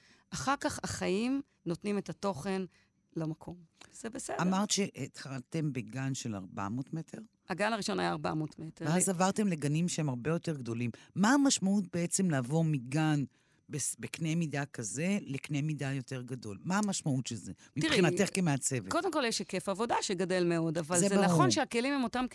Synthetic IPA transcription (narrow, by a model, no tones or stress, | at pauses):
ʔaχaʁkaχaχajim | no̞t̪nimetato̞χe̞n | lamakʰo̞mz̥ebesedamaʁt̪ʃeʔt̪χalt̪e̞mbeɡanʃela̰ʁba̰motme̞tʰe̞ʁ | aɡanaʁiʃo̞najaːʁba̰motmeteveazzavaʁt̪emle̞ɡanimʃehemaʁbe̞jo̞te̞ʁɡd̪o̞limːaːmaʃmaut̚beet͡se̞mlaːvomiɡan | besbeknejmid̪akaze̞leknejmidajo̞te̞ʁɡado̞lmaamaʃmaut̪ʃelzemitiʁχinat̪eχkemeat͡se̞veko̞demko̞ljeʃekefavo̞daʃeɡade̞lmeo̞davazleznaχo̞nʃeake̞limhemo̞tam